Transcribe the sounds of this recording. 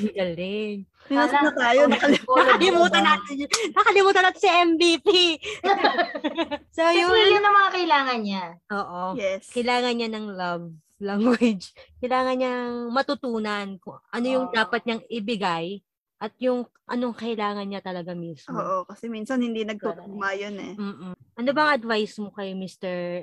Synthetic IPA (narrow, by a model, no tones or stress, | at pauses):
ɪɡɐlɪŋ | asnɐt̪aːjonɐkɐlɪmːɐkɐlɪmuːt̪ɐnanɐkɐlɪmuːt̪ɐnat̪sɐʔɛmbipi | sojʊiʊnɐŋmɐŋakɐʔɪlaːŋɐnɲaʔoːʔojɛkɐjlaːŋɐnɲanɐŋlɐv | laŋwɪd͡ʒkɐjlaːŋɐnɲanɐŋmɐt̪ʊt̪uːnɐnkʊŋʔɐno̞jʊŋd̪aːpɐt̪̚ɲɐŋɪbɪɡaj | ʔɐt̪̚jʊŋ | ʔɐnoŋkɐʔɪlaːŋɐnɲat̪ɐlɐɡamiːsoːʔokɐsɛminsɐnhɪnd̪inɐɡ̚t̪ut̪umajonɛm̩ːʔɐnobɐŋʔɐd̪vajsmokɐjmist̪ɛɹ